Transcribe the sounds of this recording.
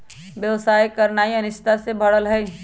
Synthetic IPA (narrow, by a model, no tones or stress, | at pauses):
ʋjɐʋsaːjkɐɾnaːiɐnɪst̪ʰasebʱɐɽəlɦɛː